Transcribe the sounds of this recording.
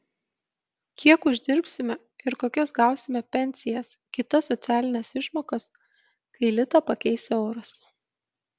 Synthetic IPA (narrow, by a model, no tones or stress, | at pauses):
kʲʰiɛkʊʒʲd̪ʲɪɾpʲsʲɪmʲɛ | ɪɾkoːkʲɛsɡɑˑʊsʲɪmʲɛpʲɛnʲsʲɪjɛskʲɪt̪ɐsːɔt̪sʲæːlʲɪnʲɛsɪʃmoːkɐs | kɐɪlʲɪt̪ɐpɐkʲɛɪsʲɛoːɾɐs